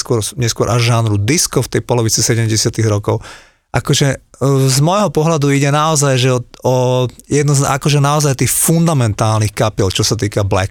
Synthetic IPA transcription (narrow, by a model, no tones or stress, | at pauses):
skʊɔɾɲɛskʊɔɾʔaʒʒanɾud̪iskɔft̪ɛjpɔlɔʋit͡sisɛɟɛmɟɛsɪat̪iɣɾɔkɔʊ | ʔakɔʒɛzmɔjɦɔpɔɦlad̪uiɟɛnaɔzajʒɛɔɔjɛd̪nɔza̰kɔʒɛnaɔzajt̪iːxfund̪amɛnt̪aːlnixkapilt͡ʃɔsat̪iːkablɛ̰k